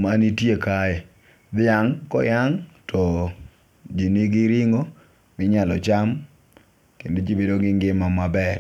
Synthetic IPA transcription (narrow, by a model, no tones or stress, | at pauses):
manitjekajɛ | d̪ɪjaŋkɔ̰jaŋtʰɔ | d͡ʒiniɡɪɾɪŋo | mɪɲalɔt͡ʃam | kended͡ʒibedoɡɪŋɡɪmamabɛr